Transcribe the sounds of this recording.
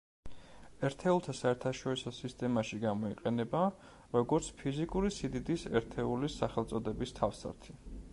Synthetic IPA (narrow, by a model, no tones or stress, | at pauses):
ɛɾt̪ʰɛulˠt̪ʰasaɛɾt̪ʰaʃɔɾisɔsist̪ʼɛmaʃiɡamɔiqʼɛnɛba | ɾɔɡɔɾt̪sʰpʰizikʼuɾisid̪id̪isɛ̰ɾt̪ʰɛulisaχɛlˠt̪sʼɔd̪ɛbist̪ʰafsa̰ɾt̪ʰi